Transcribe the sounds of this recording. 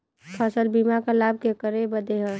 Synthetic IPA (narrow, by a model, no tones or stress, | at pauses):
pʰəsəlbimakalaːb̚kekəɾebəd̪eɦə